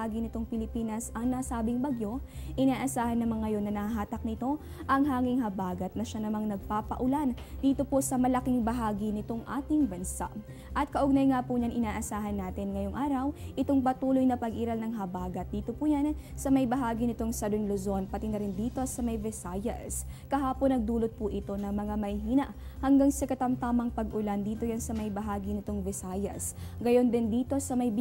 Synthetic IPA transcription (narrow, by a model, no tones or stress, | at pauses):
aɡinɪt̪o̞ŋpɪlɪpiːnɐsɐŋnaːsaːbɪŋbɐɡjo̞ʔɪnaːʔɐsaːhɐnːɐmaŋɐjo̞nːɐnɐhɐɦaːt̪ɐk̚nɪt̪o̞ | ʔɐŋɦaːŋɪŋɦɐbaːɡɐt̪̚nɐʃanɐmaŋnɐɡ̚paːpɐʔʊlan | d̪iːt̪o̞posɐmɐlɐkiŋbɐɦaːɡinɪt̪o̞ŋʔa̰ːt̪ɪŋbɐnsa̰ʔ | ʔɐt̪̚kɐʔʊɡnɐjŋaːpuɲaŋɪnaːʔɐsaːɦɐnːaːt̪ɪnŋɐjo̞ŋʔaːɾɐwʔɪt̪oŋpɐt̪uːlojnɐpɐɡʔiːɾɐlnɐŋɦɐbaːɡɐt̪̚d̪iːt̪o̞puːjɐnsɐmɐjbɐɦaːɡinɪt̪o̞ŋsɐd̪oŋlozo̞npɐt̪inɐɾɪnd̪iːt̪o̞sɐmɐjvɪsaːjɐ̰skɐɦaːponɐɡ̚d̪uːlot̪̚puʔɪt̪o̞nɐmɐŋamɐjhiːnɐʔhɐŋɡaŋsɐkɐt̪ɐmt̪aːmɐŋpɐɡʔʊland̪iːt̪o̞jansɐmɐjbɐɦaːɡinɪt̪o̞ŋvɪsaːjɐsɡɐjo̞nd̪ɪnd̪iːt̪o̞sɐmɐj